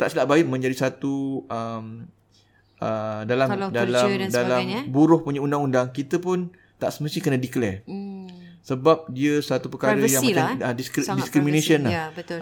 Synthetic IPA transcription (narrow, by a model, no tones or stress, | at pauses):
t̪aʔsəlaʔbaɪʔ̚mə̃ɲd͡ʒadisat̪uəm | ədalamdalamdalambuɾʊhpuɲəundaŋundaŋkit̪əpʊn | t̪aʔsəməst̪ikənadiklɛ | səbap̚diəsat̪upəkaɾəjaŋəamdiskdiskɾiminesiənlaə